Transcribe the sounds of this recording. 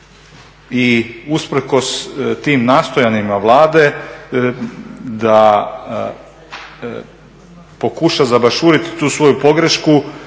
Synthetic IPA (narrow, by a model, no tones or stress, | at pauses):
iuspɾeko̞st̪iːmnaːst̪o̞janimaʋlˠaːd̪e̞ | d̪a | po̞kuʃazabaʃuːɾit̪t̪uːsʋo̞jupo̞ɡɾeʃku